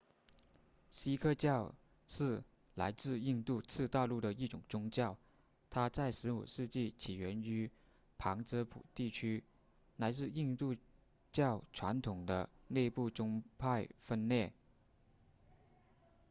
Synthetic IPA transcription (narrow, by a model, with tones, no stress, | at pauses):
ɕi˥kʰɤ˥˧t͡ɕjɑ˥˧ʊ | ʂɻ̩˥˩ | la˧˥ɪt͡sɹ̩˥˧i˥˧nt̪u˥˧t͡sʰɹ̩˥˧t̪ɑ˥˧ʊlu˥˩ɾə˩i˥˩ʈ͡ʂʊ˨˩ŋt͡sʊ˥ŋt͡ɕjɑ˥˩ʊ | t̪ʰa˥t͡sa˥˩ɪʂɻ̩˧˥ṵ˨˩ʂɻ̩˥˧t͡ɕi˥˩t͡ɕʰi˨˩ɥɛ˧˥ny˧˥ | pʰɑ˧˥ŋʈ͡ʂɤ˧˥pʰṵ˨˩t̪i˥˩t͡ɕʰy˥ | la˧˥ɪt͡sɹ̩˥˧i˥˧nt̪u˥˧ | t͡ɕjɑ˥˩ʊʈ͡ʂʰwa˧˥nt̪ʰʊ˨˩ŋd̪ə̰˦ne˥˧ɪpu˥˩ʈ͡ʂʊ˥ŋpʰa˥˧ɪfə˥˧nne˥˩ɪ